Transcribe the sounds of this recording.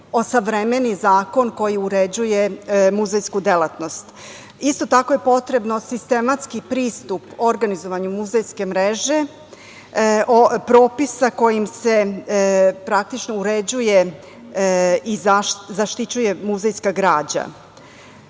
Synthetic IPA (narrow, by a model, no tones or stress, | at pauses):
o̞saʋɾemenizaːko̞nko̞jiuɾed͡ʑuje̞muzejskud̪elat̪no̞st̪ | ist̪o̞t̪ako̞je̞po̞t̪ɾe̞bno̞sist̪e̞mat̪skipɾiːst̪upo̞ɾɡanizo̞ʋaɲumuzejske̞mɾeʒe̞ | ʔopɾo̞ːpisako̞jimse̞ | pɾak̚t̪it͡ʃnouɾed͡ʑuje̞ | izazaʃt̪it͡ɕuje̞muzejskaɡɾaːd͡ʑa̰